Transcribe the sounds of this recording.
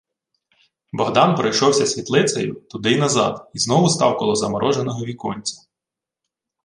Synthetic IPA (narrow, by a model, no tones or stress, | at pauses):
bɔɦd̪ɑnpɾɐjʃɔwsʲɐsʲʋʲit̪lˠɪsɐ̰jʊt̪ʊd̪ɪnɐzɑ̰d̪iznɔʋʊst̪ɑwkɔlˠɔzɐmɔɾɔʒenɔɦɔʋʲikɔnʲt͡sʲɐ̥